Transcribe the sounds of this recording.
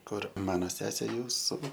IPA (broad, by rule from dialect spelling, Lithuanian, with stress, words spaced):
ˈkʊr ˈmɑːnoː ˈsʲæːsʲeː ˈjuːsʊ